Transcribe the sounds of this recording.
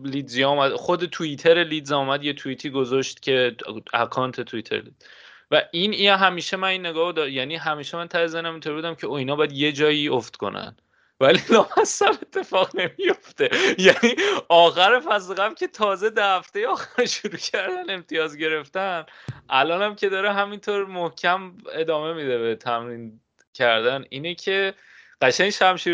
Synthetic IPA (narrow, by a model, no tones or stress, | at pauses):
lid̪zijɒumæd̪xod̪e̞t̪ʰuit̪ʰe̞ɾeliːd̪ziumæd̪je̞t̪ʰuit̪ʰiːɡo̞zɒʃt̪cʰʲe̞æ̰kʰɒːnt̪ʰet̪ʰuit̪ʰeɾḛlid̪z̥ | væʔinɦæmiːʃemæniːnːe̞ɡɒːod̪ɒjæːniːɦæmiːʃemænt̪ʰæɾezænæmint̪oɾbud̪æmcʰeoinɒːbɒjæd̪je̞d͡ʒɒːioft̪kʰo̞̰næ̰n | vælilɒːmæsæme̞t̪ʰːe̞fɒːɣne̞mijoft̪e̞jæniːɒːxæɾefæsleɣæmcʲʰe̞t̪ʰɒːze̞d̪æhæft̪e̞jeɒːxæɾʃoɾuːcʰæɾd̪æne̞mt̪ʰijɒːzɟe̞ɾe̞ft̪ænʔælɒːnæmcʰe̞d̪ɒːɾeɦæmint̪ʰoɾmohcʰæme̞d̪ɒːme̞mid̪e̞bet̪ʰæmɾiːn | cʰæɾd̪æniːnecʰe̞ | ɢ̥æʃæɲʃæmʃiː